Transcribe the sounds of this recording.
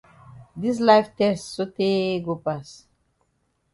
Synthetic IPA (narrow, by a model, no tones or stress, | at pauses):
d̪is̬laɪftɛstsoteɡopas